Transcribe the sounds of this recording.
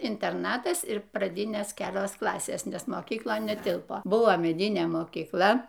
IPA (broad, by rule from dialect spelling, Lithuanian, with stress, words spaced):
ɪnʲtʲɛrˈnɑːtɐs ɪr prɐˈdʲɪnʲeːs ˈkʲæːlʲoːs ˈklˠɑːsʲeːs nʲɛs moːkʲiːkˈlˠoːn nʲɛˈtʲɪlˠpoː ˈbʊʋoː mʲɛˈdʲɪnʲeː moːkʲiːkˈlˠɐ